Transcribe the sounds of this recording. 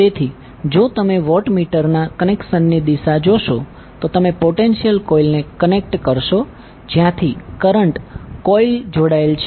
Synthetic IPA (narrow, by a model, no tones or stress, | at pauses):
t̪et̪ʰi | d͡ʒot̪əmeʋɔʈmiʈəɾnakənekʃənːid̪iʃad͡ʒoʃo | t̪ot̪əmepoʈenʃijəlkɔilnekənek̚ʈkəɾʃo | d͡ʒjãt̪ʰikəɾəɳʈkɔild͡ʒoɽaelt͡ʃʰe